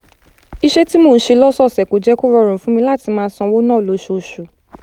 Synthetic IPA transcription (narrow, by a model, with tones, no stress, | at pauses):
i˧ʃe˦ti˦moː˧˨n̩˦ʃe˧lɔ˦sɔ˦˨sɛ˨ko˨d͡ʒɛ˦ko˦ɾɔ˧˨ɾ̃ũ˨fũ˨˦mĩ˧la˦˨ti˧mãː˦˧˦sɔ̃˧wo˦nãː˦˨lo˨˦ʃo˧˨ʃo˨